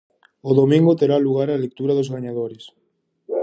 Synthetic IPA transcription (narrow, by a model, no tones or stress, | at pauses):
oðomĩŋɡot̪eɾaluɣ̞aɾalek̚t̪uɾaðozɣaɲaðoɾes